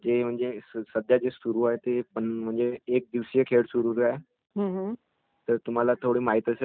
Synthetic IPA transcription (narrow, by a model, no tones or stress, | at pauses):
d͡ʑem̤əɳd͡zessəd̪ʱjad͡ʑesuɾuːaɦet̪epəɳm̤əɳd͡zeːk̚d̪iʋsijəkʰeɽsuɾuːɾaɦe | ɦə̃ɦ | t̪əɾt̪um̤alat̪ʰoɽiːmaɦit̪əse